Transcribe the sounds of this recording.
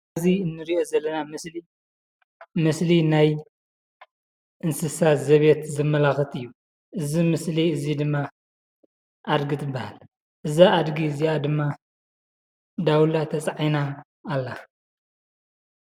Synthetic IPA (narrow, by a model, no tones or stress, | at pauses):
ziɨnːɨɾiʔo̞zɐlːɐnamɨsli | mɨslinaj | ʔɨnsɨsazɐβet̪zɨmːɐlaxɨt̪ɨjːu | ʔɨzimɨsliɨzid̪ɨmːa | ʔad̪ɡɨt̪ʰɨbːaha̰l | ʔɨzaad̪ɡizijad̪ɨmːa | d̪awlat̪ʰɐt͡sʼʕajnaː | lːa